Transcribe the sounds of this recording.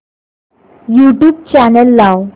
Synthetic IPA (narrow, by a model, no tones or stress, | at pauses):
juʈjuːb̚t͡ɕanəlːaw